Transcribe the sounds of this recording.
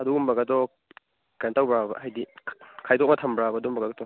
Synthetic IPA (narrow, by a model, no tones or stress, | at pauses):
ɐduumbɐɡɐtɔ | kɐntawbɾabɐ̰ɦajdikʰajtʰok̚nɐtʰɐmbɾabɐdumbɐɡaktʰɔ